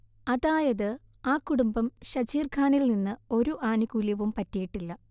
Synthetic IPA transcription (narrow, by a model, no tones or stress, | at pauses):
ɐðaːjɐðɨ | aːkːuɽumbɐmɕɐd͡ʑiːrkʰaːnilninːɨo̞ɾuʔaːnukuljɐʋumpɐtːijiʈːilːɐ